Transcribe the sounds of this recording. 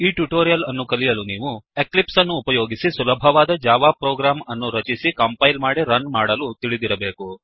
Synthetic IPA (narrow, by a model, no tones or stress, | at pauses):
iːʈjuʈoːɾijɐlɐnːukɐlijɐluniːʋueklipsɐnːuːpɐjoːɡisisulɐbʱɐʋaːd̪ɐd͡ʒaːʋaːpɾoːɡɾaːmɐnːuɾɐt͡ʃisikɐmpɐjlmaːɽiɾɐnmaːɽɐlut̪iɭid̪iɾɐbe̞ːku